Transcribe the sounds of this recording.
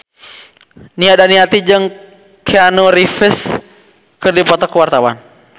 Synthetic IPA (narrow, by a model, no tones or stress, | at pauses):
niadaniat̪id͡ʒɨŋ | kʰeanuɾifɪs | kɨrdipɔt̪ɔkːəwart̪awa̰n